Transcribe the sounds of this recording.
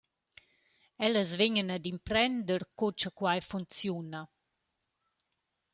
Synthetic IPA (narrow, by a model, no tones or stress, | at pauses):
ɛləzveɲənad̪impɾɛnd̪əɾkot͡ʃəkwajfunt͡sjuna